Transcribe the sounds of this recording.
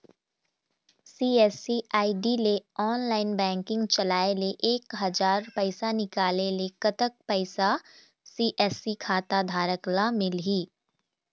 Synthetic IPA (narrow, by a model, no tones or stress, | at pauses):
siːɛːsiaːiɖileɔːnlaːɪnbɛ̃ːŋkɪ̃ŋɡt͡ʃɐlaːeleʔeːkɦɐd͡ʒaːɾpɐɪsanɪkaːlelekət̪ək̚pɐɪsa | siːʔɛːsikʰaːt̪ad̪ʱaːɾəklamɪlɦiː